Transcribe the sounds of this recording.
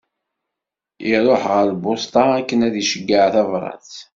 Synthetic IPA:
iɾˤoħʁəɾlbʊst̪ɑækːənæðiʃəɡːəʕθævɾˤɑ̰θ

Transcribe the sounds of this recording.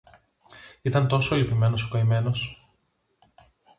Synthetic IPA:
it̪ɐnt̪o̞so̞elipime̞no̞se̥koime̞no̞s

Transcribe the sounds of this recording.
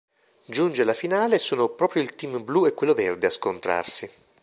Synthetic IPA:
d͡ʒund͡ʒelafinaːlesuːnopɾɔːpɾjoilt̪imbluekːwelːovɛrd̪easkont̪ɾa̰rsi

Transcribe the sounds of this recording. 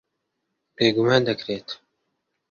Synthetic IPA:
b̥eːɡumaːnd̪ɐkɾeːt̪

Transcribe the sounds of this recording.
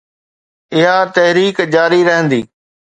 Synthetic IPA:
ɪɦat̪ɛɦɾiːkd͡ʑaːɾiɾɐɦə̃nd̪iː

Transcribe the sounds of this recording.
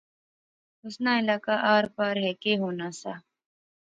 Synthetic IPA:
ʊsnaːɪlaːkaʔaːɾpaːɾɦɛːkeɦoːnaːsaː

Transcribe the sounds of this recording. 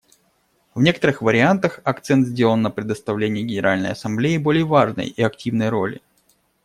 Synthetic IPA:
vnʲe̞kət̪əɾɨxvəɾʲɪant̪əxɐkt̪sɛnt̪zʲdʲe̞lˠənːəpɾʲɪd̪əst̪ɐvlʲenʲɪjəɡʲɪnʲɪɾalʲnə̰jɐsɐmblʲeɪbo̞lʲɪjəvaʐnə̰jiɐktʲivnəjɾo̞̰lʲɪ̰

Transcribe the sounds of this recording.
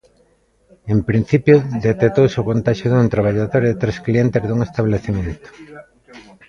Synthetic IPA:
empɾĩn̟θipjoðet̪et̪owseʊkont̪aʃjoðunt̪ɾaβaʎaðoɾðt̪ɾesklient̪ezðuŋest̪aβleθemẽnt̪o̥

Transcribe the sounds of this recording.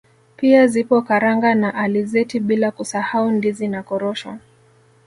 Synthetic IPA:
piazipɔkaɾaŋɡanaʔalizɛtiɓilakusahaundizinakɔɾɔʃwa̰

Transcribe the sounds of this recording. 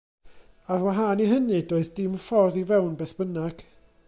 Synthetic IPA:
aðwaɦaːniɦənɨdoːɨðdɪmfɔrðivɛwnbeːθb̥ənaɡ̥

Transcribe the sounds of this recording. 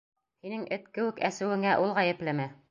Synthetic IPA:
hinɘŋʔɘt̪kɘ̆wɘkæsɘ̆wɘ̆ŋæʔulˠʁæjɘ̆plɘmɘ

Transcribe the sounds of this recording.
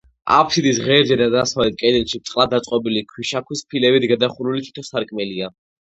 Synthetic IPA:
a̰pʰsid̪isʁɛːɾd͡ʒɛd̪ad̪asavlɛt̪̚ʰkʼɛd̪ɛlʃit̪sʼlad̪ːat̪sʼqʼɔbilikʰwiʃakʰwispʰilɛbid̪ɡad̪aχuɾulit̪ʰi̥t̪ʰɔsaɾkʼmɛlia

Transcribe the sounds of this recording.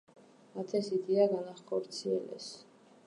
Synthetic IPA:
at̪ʰɛsid̪iaɡanaχɔɾt̪sʰiɛ̰lɛ̰s

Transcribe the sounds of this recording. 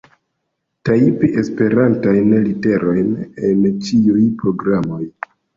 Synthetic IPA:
taipiʔe̞spe̞ɾantajnlite̞ɾo̞jne̞nt͡ʃiujpɾo̞ɡɾamo̞j

